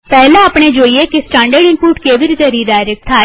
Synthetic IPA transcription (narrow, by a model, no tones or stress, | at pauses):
pɛːlãːəpɳeːd͡ʒoːieːkɪsʈãːɳɖəɾɖɪ̃npuːʈkeːʋɪɾzəɾiːdaːɾək̚t̪ʰaː